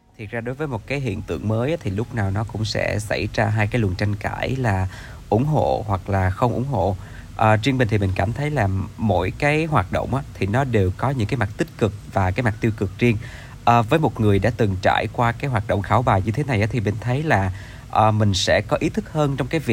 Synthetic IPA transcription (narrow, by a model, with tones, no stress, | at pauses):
t̪ʰi˨˩ət̚zaː˧ɗo˨˦jvəː˨˦jmo˨˩kaː˨˦jɦḭ˧˨ənt̪ɨ̰˧˨əŋməː˨˦jʔaː˨˦t̪ʰi˨˩lʊ˦˥k͡p̚naː˨˩wnɔ˨˦kʊ̰˧˥ŋ͡msɛ̰˧˥sa̰˧˩jzaː˧ɦaː˧jkaː˨˦jlwə˨˩nt͡ɕa˧jŋka̰ː˧˩jlaː˨˩ | ʔʊ̰˧˩ŋ͡mɦo̰˧˨hwa˨˩k̚laː˨˩xə˧wŋ͡mʔʊ̰˧˩ŋ͡mɦo̰˧˨ | ʔə˨˩t͡ɕi˧əŋmï˨˩ŋ̟t̪i˨˩mï˨˩ŋ̟kaː˧˩mt̪ʰə˨˦jlaː˨˩mo̰˧˥jkaː˨˦jɦwaː˨˩t̚ɗo̰˧˨wŋ͡mʔaː˨˦t̪ʰi˨˩nɔ˨˦ɗe˨˩wkɔ˨˦ɲɨ̰˧˥ŋkaː˨˦jma˨˩t̚t̪ï˦˥t̚kɨ˨˩k̚vaː˨˩kaː˨˦jma˨˩t̪i˧wkɨ˨˩k̚zi˧əŋ | ʔəː˨˩vəː˨˦jmo˨˩t̚ŋɨ˨˩əjɗa̰ː˧˥t̪ɨ˨˩ŋt͡ɕa̰ː˧˩˨jkwaː˧kaː˨˦jɦwaː˨˩t̚ɗo̰˧˨wŋ͡mxaː˧˨˦wɓaː˨˩jɲɨ˧t̪ʰe˨˦na˨˩jʔaː˨˦t̪ʰi˨˩mï˨˩ŋ̟t̪ʰə˨˦jlaː˨˩ | ʔəː˨˩mï˨˩ŋ̟sɛ̰˧˥kɔ˨˦ʔi˨˦t̪ʰɨ˦˥k̚həː˧nt͡ɕɔ˧wŋ͡mkaː˨˦jvi˨˩